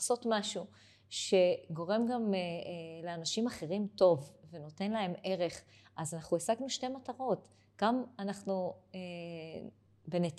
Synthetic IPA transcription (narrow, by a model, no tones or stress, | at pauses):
so̞tmaʃu | ʃe̞ɡo̞ʁe̞mɡam | leanaʃimaχe̞ʁimto̞vve̞no̞te̞nlae̞me̞ʁe̞χʔazanaχnuesaɡnuʃte̞mataʁo̞t | ɡ̥amanaχnue | benet